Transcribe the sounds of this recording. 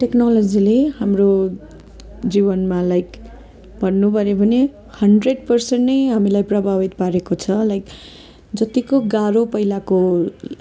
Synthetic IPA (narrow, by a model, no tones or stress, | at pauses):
ʈeknalʌd͡zilehamro | d͡zibʌnmalajk | bʱʌnːubʱʌɾebʱʌne | hʌɳɖreɖ̚pʌrsenʈnʌjɦamilajprʌbʱabit̪̚paɾekot͡sʰʌlajk | d͡zʌt̪ikoɡaɾopʌjlako